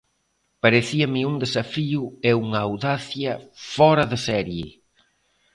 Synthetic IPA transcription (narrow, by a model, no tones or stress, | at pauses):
paɾeθiɐmɪuŋd̪esɐfiʊeuŋaːwðaθjɐfɔɾɐðɪsɛɾjɪ